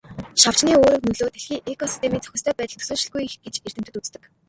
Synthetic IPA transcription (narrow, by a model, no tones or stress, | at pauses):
ʃaw̥t͡ɕniːoːɾɵ̆knɵɮoːt̪eɮxiːʔekɔsi̥st̪ʰemiːt͡sʰœ̥xʲɪ̆st̪ʰœːpæːt̪ə̆t̪ʰɵ̥soːɮt͡ɕɪ̆ɮɡujxɡ̥et͡ɕer̥t̪ɘ̥̆t̪ɘ̆t̪ut͡st̪ɘ̆k